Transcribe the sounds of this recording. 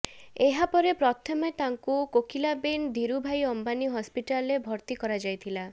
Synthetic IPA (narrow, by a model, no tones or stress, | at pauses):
eɦapɔɾepɾɔt̪ʰɔmet̪aŋkukokilabend̪ʱiɾubʱajɔmbaniɦɔspiʈalebʱɔɾt̪ikɔɾad͡ʒajt̪ʰila